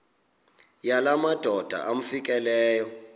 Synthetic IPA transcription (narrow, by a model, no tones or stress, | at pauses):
jalamad̥ʱɔd̥ʱa̰ʔam̩fik̬ʼɛlɛːjɔ